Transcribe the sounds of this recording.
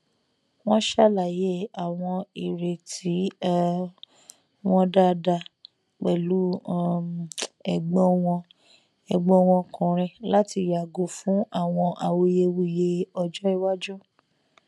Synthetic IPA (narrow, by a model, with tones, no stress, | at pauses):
w̃ɔ̃˦ʃa˦la˨je˨˦a˨w̃ɔ̃˧i˨ɾe˨tʰi˨˦ | w̃ɔ̃˦da˦da˧ | k͡pɛ˨lu˨˦˨ | ɛ˨ɡ͡bɔ̃˦w̃ɔ̃˧ | ɛ˨ɡ͡bɔ̃˦w̃ɔ̃˧kɔ̃˨ɾ̃ɛ̃˧la˦ti˧˨ja˨ɡo˨˦fũ˨˦a˦˨w̃ɔ̃˧ʔa˧˨wo˧je˧wi˧˦je˧ɔ˧d͡ʒɔ˦i˧wa˦d͡ʒɔ˦